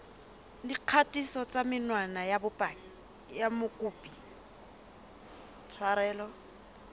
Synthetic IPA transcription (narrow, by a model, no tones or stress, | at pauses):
diq͡χʰatʼisɔt͡sʼamɪnwanajabʊpʼaːŋi | jamʊkʼuːpʼi | t͡sʰwaɾɛːlɔ